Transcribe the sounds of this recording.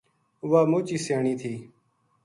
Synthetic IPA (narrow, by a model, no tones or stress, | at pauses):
ʊʋaːmuːt͡ʃiːsaːɳĩːt̪ʰiː